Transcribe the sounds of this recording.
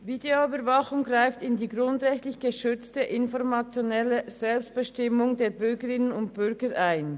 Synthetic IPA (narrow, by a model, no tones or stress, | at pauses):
videoybəvɑχʊŋɡʁaɪftɪndiːɡʁʊndʁɛçtlɪçɡ̥əʃʏt͡stəʔɪnfɔʁmɑt͡sjonɛləz̥ɛlpst̚b̥əʃtɪmʊŋdeːɐbʏɾɡəʁɪnənʊntb̥ʏɾɡəɾʔaɪn